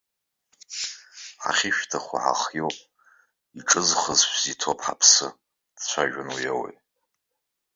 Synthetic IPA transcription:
ħa̰χʲɪʃᶣtʰaχʷa̰ħa̰χjowpʼ | iʈ͡ʂʼɨzχəzħzitʰopʼħa̰pʰsɨ | d̥t͡ɕʷʰaʒᶣanujawḛj

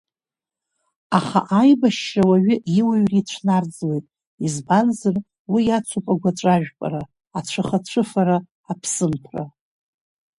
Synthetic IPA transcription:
aχa̰ʔajbaʃːawaɥʏiwaɥrit͡ɕʷʰnard͡zwe̞jtʼ | izbanzɨr | wijat͡sʷʰupʼaɡʷat͡ʃʷʼaʒᶣpʼa̰ɾaː | t͡ɕʷʰaχat͡ɕʷʰɨfaɾaː | pʰsɨmpʰra̰

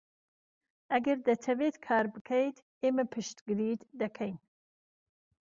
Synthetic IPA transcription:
ɐɡɐɾd̪ɐt̪ʰɐvet̪kʰɑːɾbɨkʰɐjt̪ | eːmɐpʰɨʃt̪ɡɨɾiːd̪d̪ɐkʰɐjn

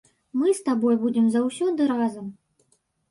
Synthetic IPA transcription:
mɨst̪abɔjbud͡zʲɪmzɐwsʲɔd̪ɨɾazɐm

